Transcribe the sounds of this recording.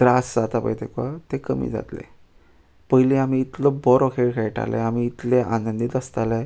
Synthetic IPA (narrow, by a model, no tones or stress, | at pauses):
d̪̥ɾasd͡zat̪apə̰jt̪ekʋat̪ekəmḭːd͡za̰t̪lḛ | pəɦileamiːt̪lɔbɔɾokʰeɽkʰeɭʈa̰lɛ̰̃amiːt̪leʔanənd̪it̪əst̪ale